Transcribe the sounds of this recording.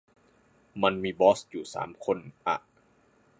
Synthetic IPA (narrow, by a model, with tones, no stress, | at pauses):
ma˧nmiː˧bɔː˦˥sjuː˨˩sa̰ː˩˦mkʰo˧nʔa̰˧˩ʔ